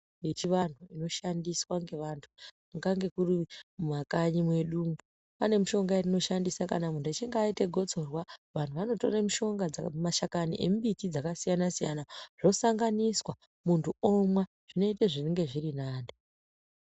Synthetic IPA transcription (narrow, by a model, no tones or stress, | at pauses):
jet͡ʃiʋan̤uino̞ʃandiswaŋɡe̞ʋantʰu | ŋɡaŋɡe̞kurimumakaɲimwe̞ɗumbu | pane̞muʃo̞ŋɡarino̞ʃandisakanamuntuat͡ʃeŋɡaːiteɡʱo̞t͡so̞rwaʋantuʋano̞to̞remiʃo̞ŋɡad͡zamaʃakanḭʔe̞̰mubitid͡zakasijanasijanaʐ̥o̞saŋɡaniswa | muntʰuomwa | ʐ̥ino̞iteʐineŋɡe̞ʐirinaːnde